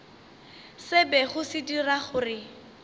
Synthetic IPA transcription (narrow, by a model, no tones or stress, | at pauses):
sɪbɛχʊsɪdiraχʊːrɪ